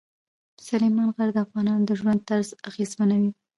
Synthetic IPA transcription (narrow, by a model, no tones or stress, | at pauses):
salejmɑnɣaɾd̪əafɣɑnɑnd̪əʒwand̪̚t̪aɾzaɣezmanawi